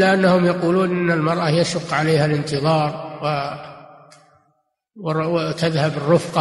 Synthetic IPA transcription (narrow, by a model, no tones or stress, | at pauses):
aʔanːahʊmjaquːluːnʔɪnːalmɑɾˤʔajaʃʊqːʕaleːhalɪnt̪ɨðˤɑːɾˤw | t̪aðhabɪrːʊfqɑ